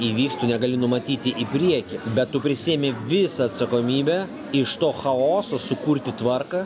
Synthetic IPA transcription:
iːʋʲiːkst̪ʊnʲɛɡɐlʲɪnʊmɐt̪ʲiːt̪ʲɪʔɪpʲɾʲiɛkʲɪbʲɛt̪tːʊpʲɾʲɪsʲieːmʲɪʋʲɪsɐːt̪sɐkoːmʲiːbʲɛ | ɪʃt̪oːxɐoːsosʊkuɾʲt̪ʲɪt̪ʋɐrkɐ

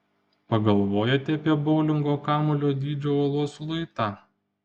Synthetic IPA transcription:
pɐɡɐlˠʋoːjɛt̪ʲɛɐpʲiɛbɔʊlʲɪŋɡoːkɑːmʊlʲoːd̪ʲiːd͡ʒʲoɐlˠuɔslˠʊɪt̪ɑː

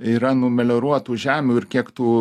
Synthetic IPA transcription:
iːɾɐnʊmʲɛlʲoɾuɔt̪uːʒʲæːmʲuːɪrkʲiɛkt̪uː

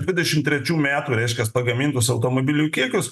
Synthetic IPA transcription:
d̪ʲʋʲɪd̪ʲɛʃʲɪmt̪ʲɾʲɛt͡ʃʲuːmʲæːt̪uːɾʲɛɪʃʲkʲɛspɐɡɐmʲɪnt̪ʊsɐʊt̪oːmoːbʲɪlʲʊkʲiɛkʲʊs

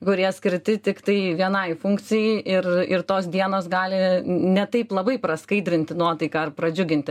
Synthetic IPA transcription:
kʊɾʲiɛsʲkʲɪɾʲt̪ʲɪt̪ʲɪkt̪ɐɪʋʲiɛnɐɪfʊŋk̪t͡s̪ʲɪjɛɪʔɪrɪɾt̪oːsd̪ʲiɛnoːsɡɑːlʲɪnʲɛt̪ɐɪplˠɐbɐɪpɾɐskɐɪd̪ʲɾʲɪnʲt̪ʲɪnuɔt̪ɐɪkɐɐrpɾɐd͡ʒʲʊɡʲɪnʲt̪ʲɪ

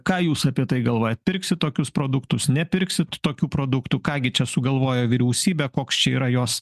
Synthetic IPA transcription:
kɑːjuːsɐpʲiɛt̪ɐɪɡɐlˠʋoːjɛt̪̚pʲɪɾʲksʲɪt̪̚t̪oːkʲʊspɾoːd̪ʊkt̪ʊsnʲɛpʲɪɾʲksʲɪt̪t̪oːkʲuːpɾoːd̪ʊkt̪uːkɑːɡʲɪt͡ʃʲɛsʊɡɐlˠʋoːjoːʋʲiɾʲɛʊsʲiːbʲɛkoːkst͡ʃʲɛiːɾɐjoːs

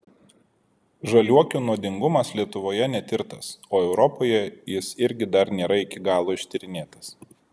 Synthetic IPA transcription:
ʒɐlʲuɔkʲuːnuɔd̪ʲɪŋɡʊmɐslʲiɛt̪ʊʋoːjɛnʲɛt̪ʲɪɾt̪ɐsoːɛʊɾɔpoːjɛjɪsɪɾʲɡʲɪd̪ɐɾnʲeːɾɐɪkʲɪɡɑːlˠoːɪʃʲt̪ʲɪɾʲɪnʲeːt̪ɐ̥s

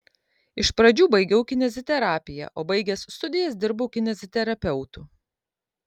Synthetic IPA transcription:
ɪʃpɾɐd͡ʒʲuːbɐɪɡʲɛʊkʲɪnʲɛzʲɪt̪ʲɛɾɑːpʲɪjɛ̰ʔoːbɐɪɡʲɛsst̪ʊd̪ʲɪjɛsd̪ʲɪɾboʊkʲɪnʲɛzʲɪt̪ʲɛɾɐpʲɛʊt̪uː

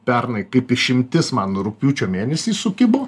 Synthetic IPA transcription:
pʲɛɾnɐɪkɐɪpɪʃʲɪmʲt̪ʲɪsmɑːnoʊɾʊk̚ʲpʲjuːt͡ʃʲoːmʲeːnʲɛsʲiːsʊkʲɪboː

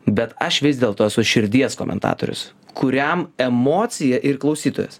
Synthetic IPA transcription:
bʲɛt̪ɐʃʋʲɪzʲd̪ʲeːlˠt̪oːɛsʊʃʲɪɾʲd̪ʲiɛsko̰ːmʲɛ̰nt̪ɑ̰ːt̪o̰ːɾʲʊ̰skʰʊɾʲɛmɛmoːt̪sʲɪjɛʔɪɾklˠɒʊsʲiːt̪oːjɛ̰s

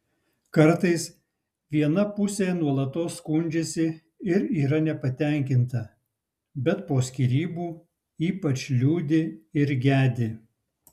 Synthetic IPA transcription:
kɐɾˑt̪ɐɪs | ʋʲiɛnɐpʊsʲenuɔlˠɐt̪oːsːkʊnʲd͡ʒʲesʲɪ | ɪɾiːɾɐnʲɛpɐt̪ʲɛˑŋʲkʲɪnt̪ɐ | bʲɛt̪poːsʲkʲiːɾʲiːbuː | iːpɐt͡ʃʲlʲuːd̪ʲɪɪɾɡʲæːd̪ʲɪ

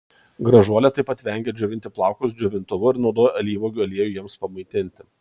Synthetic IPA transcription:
ɡɾɐʒuɔlʲɛt̪ɐɪpɐt̪ʲʋʲɛŋʲɡʲeːd͡ʒʲʊʋʲɪnt̪ʲɪplˠɑˑʊkʊsd͡ʒʲʊʋʲɪnt̪ʊʋʊɪɾnɔʊd̪oːjɐlʲiːʋoːɡʲɐlʲiɛjujiɛmspɐmɐɪt̪ʲɪnʲt̪ʲɪ

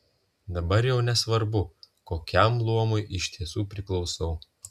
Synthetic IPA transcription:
d̪ɐbɐɾjɛʊnʲɛsʋɐɾbʊkoːkʲɛmlˠuɔmʊjʔɪʃʲt̪ʲiɛsuːpʲɾʲɪklˠɒʊsɐʊ

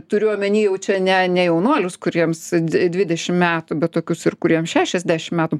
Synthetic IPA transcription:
t̪ʊɾʲʊɐmʲɛnʲiːjɛʊt͡ʃʲɛnʲɛnʲɛjɛʊnuɔlʲʊskʊɾʲiɛmsʲdʲʋʲɪd̪ʲɛʃʲɪmmʲæːt̪ʊbʲɛt̪̚t̪oːkʲʊsɪrkʊɾʲiɛmʃʲæːʃʲɛzʲd̪ʲæːʃʲɪmʲæːt̪ʊ

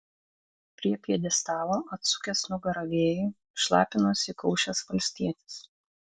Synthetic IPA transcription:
pʲɾʲiɛpʲiɛd̪ʲɛst̪ɑːlˠoːɐt̪sʊkʲɛsnʊɡɐɾɐʋʲeːjʊ | ʃlˠɑ̰ːpʲɪnoːsikɔʊʃʲɛsʋɐlʲsʲt̪ʲiɛt̪ʲɪ̥s

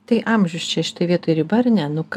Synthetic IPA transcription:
t̪ɐɪʔɐmʲʒʲʊst͡ʃʲɛʃʲɪ̥t̪oːjʋʲiɛt̪oːjɾʲɪbɐrnʲɛnʊk

